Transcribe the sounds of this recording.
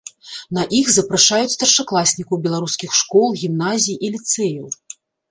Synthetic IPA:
nɐʔixzɐpɾaʂajut͡sʲst̪ɐrʂaklˠasʲnʲikɐwbʲɛlˠaɾuskʲixʂkɔlˠɣʲimnazʲijʔilʲit̪sɛjuw

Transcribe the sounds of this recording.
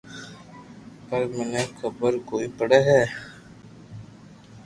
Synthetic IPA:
pəɾmenekəbəɾkoːipəɽeɦɛː

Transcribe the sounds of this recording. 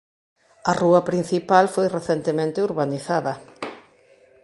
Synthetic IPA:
ɐruɐpɾin̟θipalfojreθent̪emẽnt̪ɪuɾβaniθaðɐ

